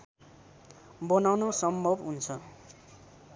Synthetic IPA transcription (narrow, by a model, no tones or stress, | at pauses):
bʌnawnosʌmbʱʌbɦunt͡sʰʌ